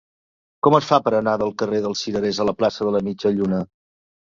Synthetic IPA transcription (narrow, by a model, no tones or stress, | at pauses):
kɔməsfapəɾənaðəlˠkəreðəlˠsiɾəɾezələplasəðələmid͡ʒəʎunə